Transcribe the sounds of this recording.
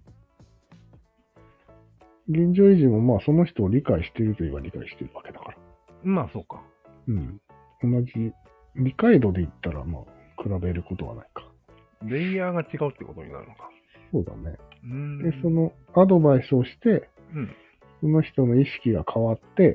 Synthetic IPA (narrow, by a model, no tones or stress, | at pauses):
ɡẽ̞ɲ̟d͡ʑo̞ːiʑimo̞maːso̞no̞çi̥t̪o̞ːɾʲikaiɕi̥t̪e̞ɾɯ̟t̪oiβaɾʲika̰iɕi̥t̪e̞ɾɯ̟βake̞d̪akaɾḁ | maːso̞ːka | ɯ̟̃ɴ | o̞nːaʑi | ɾʲikaid̪o̞d̪e̞it̪ːaɾa̰ma̰ːkɯ̟ɾabe̞ɾɯ̟ko̞t̪o̞βa̰na̰ikḁ | ɾẽijaːɡat͡ɕiɡaɯ̟t̪ːḛko̞t̪o̞̰ɲina̰ɾɯ̟nokḁ | so̞ːd̪a̰ne̞d̪e̞so̞no̞ | ad̪o̞baisɨo̞ɕi̥t̪ẽ̞ | so̞no̞çi̥t̪o̞no̞iɕi̥kʲiɡakʰaβat̪ːe̞